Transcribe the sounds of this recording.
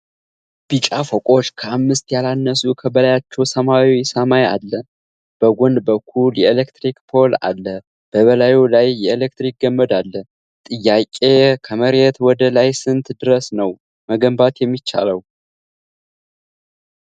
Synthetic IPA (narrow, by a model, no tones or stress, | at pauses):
b̥it͡ʃʼafokʼo̞t͡ʃːkʰəamːɨst̪jalanːəsukʰəbəlajat͡ʃːɛwsəmawisəmaja̰lːə | b̥əɡʷond̪bəkʰːuljɛelekt̪ɾikpʰo̞la̰lːə | b̥əβəlajulajːɛelekt̪ɾik̚ɡəmːəd̪alːə | t̪ʼɨjːakʼekʰəməɾjɛt̪wɔd̪əlajsɨnt̪d̪ɨɾəsnəw | məɡəmbat̪jɛmːit͡ʃːa̰ləw